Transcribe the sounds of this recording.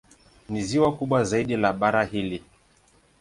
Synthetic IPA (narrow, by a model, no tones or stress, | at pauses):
niziwakuɓwazaiɗilaɓaɾahili